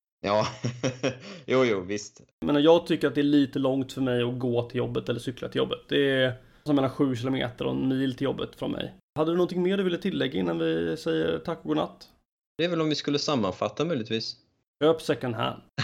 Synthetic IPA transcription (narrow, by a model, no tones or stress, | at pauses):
jɑː | juːjuːvɪst̪ | meːnajɑːɡ̚t̪ʰʏkːəɾat̪̚d̪ɛæɭiːt̪əlɔŋt̪fœɾmɛjɔɡoːt̪ʰɪljɔbːət̪ɛlːəʂʏkːlat̪ʰɪljɔ̰bːət̪̚d̪ɛ | sɔmeːnaɧʉ̟ːɕ̬ɪːlʊmḛːt̪əɾɔ̰nmiːlt̪ʰɪljɔbːət̪fɾɔ̰nmʔɛ̰j | had̪ːəd̪ɵnɔnt̪ʰɪŋːmeːɖɵvɪlːət̪ʰɪlːɛɡːaɪnːanvɪsɛjːə̰ɾt̪ʰakːɔɡoːɳa̰t̪ː | d̪̥ɛɛɾvɛlɔmvɪskɵlːəsamːanfat̪ːamœjlɪt̪viːs | øːpsɛkːənɦæ̰ɳ